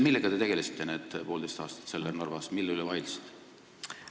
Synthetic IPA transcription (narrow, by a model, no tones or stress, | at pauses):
milːeɡ̥ɑt̪e̞t̪e̞ɡelist̪ːˑeneːd̪̥po̞ːld̪e̞jst̪ɑ̰ːst̪ɑ̥t̪se̞lːerno̞rvɑsmilːylɛvɑjlsd̪̥